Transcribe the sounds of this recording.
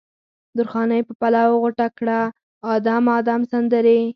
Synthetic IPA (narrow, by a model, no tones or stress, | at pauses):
d̪ʊɾxɑnajpəpalɑwɣʊʈakɽaː | d̪ɑmɑd̪ɑmsand̪əɾe